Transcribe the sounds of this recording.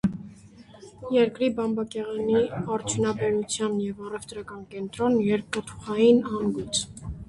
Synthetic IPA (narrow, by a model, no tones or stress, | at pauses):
jɛɾkɾibɑmbɑkɛʁɑniɑɾt͡ʃʰjunɑbɛɾut͡sʰjɑnjɛvɑrɛvt̪ɾɑkɑnkɛnt̪ɾɔnjɛɾppət̪ʰu̥χɑjinɑnɡut͡sʰ